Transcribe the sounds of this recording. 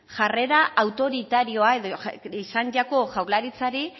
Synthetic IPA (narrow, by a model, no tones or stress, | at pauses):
ʝare̞ɾaʔawt̪o̞ɾit̪aɾio̞ae̞ðoisand͡ʒako̞ʝawlaɾit͡saɾi